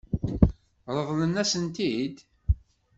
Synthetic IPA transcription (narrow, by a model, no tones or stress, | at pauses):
ɾˤəðˤlənːæsənt̪id̪